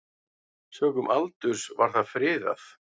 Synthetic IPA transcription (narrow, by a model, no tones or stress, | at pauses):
sœːkʏmʔalt̪ʏɾ̥svaɾ̥θaðfɾɪːða̰θ